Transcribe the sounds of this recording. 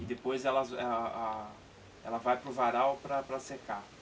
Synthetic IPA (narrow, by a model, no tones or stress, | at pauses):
ɪd̪epojzɛlɐɛa | ɛ̰lɐvajpɾʊvaɾawpɾɐpɾɐseka